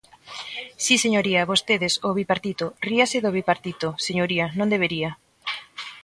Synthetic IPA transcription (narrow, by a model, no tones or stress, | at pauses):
siseɲoɾiaβost̪eðesoβipaɾt̪it̪oriaseðoβipaɾt̪it̪oseɲoɾianõnd̪eβ̞eɾia